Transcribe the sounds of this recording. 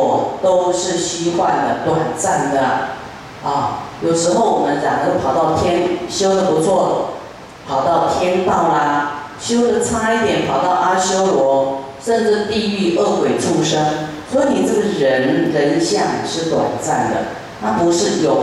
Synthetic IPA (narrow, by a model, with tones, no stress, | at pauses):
t̪o˥ʊʂɻ̩˥˩ɕi˥xwa˥˩nd̪ə˩t̪wa˨˩nt͡sa˥˩nd̪ə˩ | ɐ˥˩jo˨˩ʊʂɻ̩˧˥xo˥˩ʊwɔ˨˩mə˧˦nt͡sa˨˧˩k̪ʰo˥˩pʰɑ˨˩ʊt̪ɑ˥˩ʊt̪ʰjɛ˥nɕjo˥ʊə˧˩p̪u˧˥t͡sʰwɔ˥˩ | pʰɑ˨˩ʊt̪ɑ˥˩ʊt̪ʰjɛ˥npɑ˥˩ŋɐ˧ | ɕi˥w̩˥˩t͡sʰa˥i˥˩t̪jɛ˨˩npʰɑ˨˩ʊt̪ɑ˥˩ʊʔa˥ɕjo˥ʊlɔ˧˥ | ʂə˥˧nʈ͡ʂɻ̩˥˧t̪i˥˧y˥˧ʔɤ˥˩kwe˨˩ɪʈ͡ʂʰu˥˧ʂɤ˥ŋxə˧˥ni˨˩t͡sɤ˥˩ɡə˩ɻə˧˥nlə˧˥ɕjɑ˥˩ŋʂɻ̩˥˩t̪wa̰˨˩nt͡sa˥˩nd̪ə̰˩ | na˥˩pu˧˥ʂɻ̩˥˩jo˨˩